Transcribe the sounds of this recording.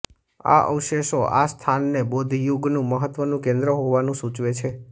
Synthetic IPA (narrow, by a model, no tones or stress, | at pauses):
a̰ʔə̰wʃeʃoʔast̪ʰanːebod̪ʱjuɡnũməɦət̪ʋənũkẽnd̪ɾəɦoʋanũsut͡ʃʋet͡ʃʰe